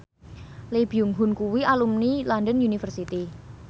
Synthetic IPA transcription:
leb̥iuŋɦunkuwialumnilɔndənjunifərsit̪i

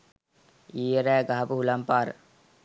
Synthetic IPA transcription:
iːjəɾæːɡaɦapəɦulampaːɾə̰

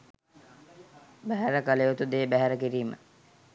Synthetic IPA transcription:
bæɦæɾəkalejot̪ud̪eːbæɦæɾəkiɾiːmə̰

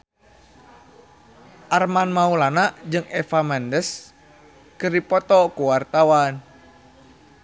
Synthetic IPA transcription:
ʔarmanmaulanaʔd͡ʒɨŋɛfamɛndəs | kɨrdipɔt̪ɔkuwart̪awan

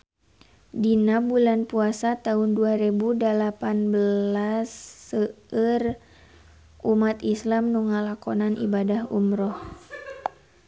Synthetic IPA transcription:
dinabulanpuasat̪aɦunduaɾɛbudəlapanbəlasːəər | ʔumat̪islamnuŋalakɔnanʔḭbadahṵmɾɔh

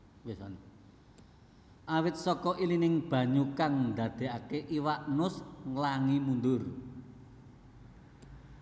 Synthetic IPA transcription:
wɪsɔn | ʔawɪt̪̚sɔkɔʔilinɪŋb̥ä̤ɲukaŋnd̪ä̤d̪̥e̤ʔakeʔiwaʔnʊsŋlaŋimund̪ʊr

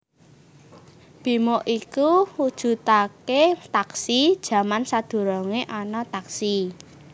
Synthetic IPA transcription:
b̥i̤moʔikuhud̥ʒ̥ṳt̪aket̪aksid̥ʒ̥ä̤mansad̪̥o̤ɾɔŋeʔɔnɔt̪aksi

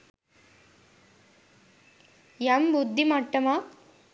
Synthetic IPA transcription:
jɐmbʊd̪ʱːimɐʈːɐmaː

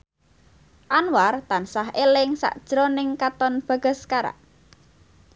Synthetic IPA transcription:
ʔanwart̪ansaɦʔelɪŋsa̰ʔd̥ʒ̥ɾɔnɪŋkat̪ɔnb̥ä̤ɡ̥ə̤skaɾa̰ʔ

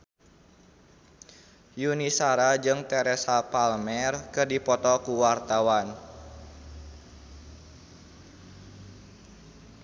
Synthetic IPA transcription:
junisaɾad͡ʒɨŋt̪ɛɾɛsapalmɛrkɨrdipɔt̪ɔkuwart̪awan

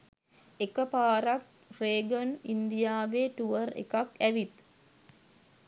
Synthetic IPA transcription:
ekəpaːɾak̚ | reːɡənind̪ijaːʋeːʈuʋərḛkakæʋit̪

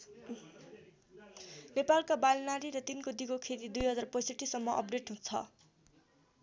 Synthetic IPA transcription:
nepalkabalnaɾiɾʌt̪inkod̪iɡokʰet̪id̪ujɦʌd͡zarpʌjsʌʈːisʌmːʌʔʌ̰p̚ɖeʈɦũt͡sʰʌ̰

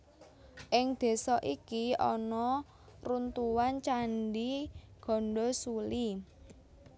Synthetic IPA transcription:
ʔɪŋd̪̥e̤sɔʔikiɔ̰nɔ | runt̪uwant͡ʃanɖiɡ̥ɔ̤nɖɔsuli

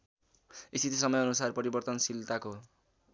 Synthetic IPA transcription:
est̪it̪ʰisʌmʌjʌnusarpʌɾibʌrt̪ʌnsilt̪ako

